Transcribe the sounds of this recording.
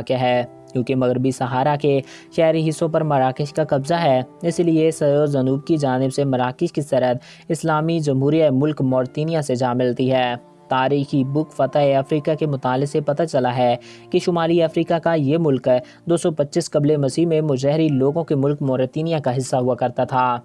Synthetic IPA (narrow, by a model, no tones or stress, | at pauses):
kaɦɛː | kjõːkemɐɣɾbisɐɦaːɾake | ʃɛːɾiɦɪsːõpɐɾmɐɾaːkɪʃkakɐbzaɦɛːɪsliesɐd̪ozɐnuːb̚kid͡ʒaːnɪbsemɐɾaːkɪʃkisɐɾət̪ | ɪslaːmid͡ʒɐmɦuːɾiaemʊlkmɔːɾt̪iːnijãsed͡ʒaːmɪlt̪iɦɛː | t̪aːɾiːxibʊkfɐt̪aeɐfɾiːkakemʊt̪aːlɪsepɐt̪at͡ʃɐlaɦɛkeʃʊmaːliɐfɾiːkakajemʊlk | d̪oːsɔpɐtːʃɪskɐblemɐsiːmẽmʊd͡ʒɛɦɾiloːɡõkemʊlkmɔːɾt̪iːnijãkaɦɪsːaɦuakɐɾt̪at̪ʰaː